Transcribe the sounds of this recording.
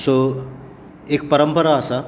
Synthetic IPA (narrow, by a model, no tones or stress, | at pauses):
so | ekpəɾəmpəɾaːsa